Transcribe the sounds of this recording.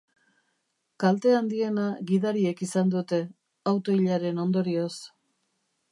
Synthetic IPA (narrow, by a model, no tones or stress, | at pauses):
kalt̪e̞and̪ie̞naɣiðaɾie̞kisand̪ut̪e̞ | awt̪o̞iʎaɾe̞no̞nd̪o̞ɾio̞s